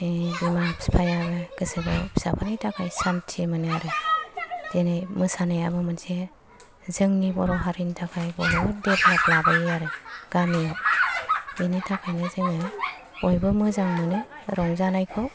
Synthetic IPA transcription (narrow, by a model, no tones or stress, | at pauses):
ebimapspʰajabeɡɯsɯbɔbʰi̥sapʰanajtʰakʰajsamtʰimɯneaɾɯ | denajmɯsanajabɯmɯnse | zɯŋnibɔɾɔɦaɾinitʰakʰajbɔɾɔbɯdeplaplabajaɾɯɡ̥ami | initʰakʰajnɯzɯŋɯ | ɔjbɯmɯzaŋnɯnɯɾɔŋzanajkʰɔ